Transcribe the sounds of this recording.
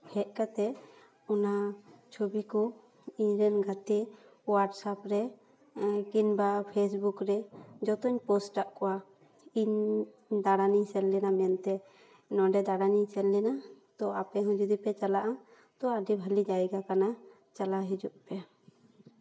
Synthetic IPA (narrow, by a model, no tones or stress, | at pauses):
hʰɛʔ̚ˀkat̪ɛ | ɔnat͡ʃʰobiku | iɲɾɛnɡat̪ɛ | waɾʈsapɾɛ | kinbapʰes̬bukɾɛd͡ʒɔt̪ɔɲpɔsʈaʔkɔwa | iɲ | d̪aɽanisɛllɛnamɛnt̪ɛ | nɔ̃ɖɛd̪aɽanisɛllɛnat̪ɔapɛɦũd͡ʒud̪ipɛt͡ʃalaʔa | t̪ɔaɖibʱəlid͡ʒajɡakana | t͡ʃalaɦid͡ʒuʔpɛ